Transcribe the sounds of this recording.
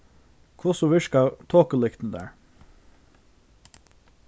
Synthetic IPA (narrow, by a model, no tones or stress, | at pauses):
kʰʋʊsʊʋɪʃkɑt̪ʰoːkəlɪkt̪n̩d̪æ̰ːɹ